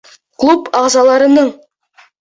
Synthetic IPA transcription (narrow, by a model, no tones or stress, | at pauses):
qʰlˠupɑʁzɑlˠɑɾənəɴ